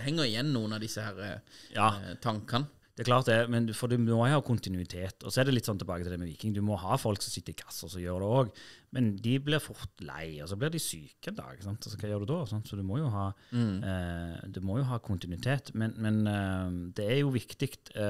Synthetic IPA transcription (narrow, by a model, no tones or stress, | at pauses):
hɛŋːəɾɪjɛnːuːənɑd̪ɪsːəhæːɾjɑːt̪ʰɑŋkɑn | d̪ɛækʰlɑːʁt̪̚d̪ɛɛmɛnfɔd̪ɪmɔhɑːkʰʊnt̪ɪnʉɪt̪ʰeːt̪ɔ̰sɔɛʁd̪ɛlɪt̪sɔnt̪ɛlbɑːɡət̪ɪld̪ɛmɛʋiːkɪŋd̪ʉmɔhɑːfɔlksɔmsɪt̪ːəɾɪkʰɑ̥sːəɔsɔjøːʁɾd̪ɛoːɡmɛnd̪ɪblɪɾfʊɾt̪læ̰ɪɔsɔblɪʁd̪ɪsyːkɛnd̪ɑ̰ːɡ̰çəsɑnt̪ɑsɔkʰɑːjøːɾd̪ʉd̪oːsɑnt̪sɔd̪ʉmɔjʊɦɑː | d̪ʉmɔjʊɦɑːkʰʊnt̪ɪnʉɪt̪ʰeːt̪mɛnmɛn | d̪ɛæɾjʊʋɪkt̪ɪkt̪